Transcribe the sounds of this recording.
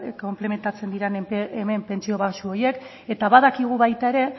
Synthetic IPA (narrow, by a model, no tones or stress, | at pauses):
ko̞mple̞me̞nt̪at͡se̞nd̪iɾeneme̞mpe̞nt͡sio̞βasuo̞ɾje̞k | e̞t̪aβaðakiɣ̞uβajt̪ae̞ɾe̞